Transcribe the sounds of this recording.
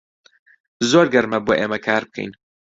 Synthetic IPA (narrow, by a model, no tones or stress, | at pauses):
zoːɾɡɐɾmɐboːʔeːmɐkʰaːɾb̚kʰɐ̰jn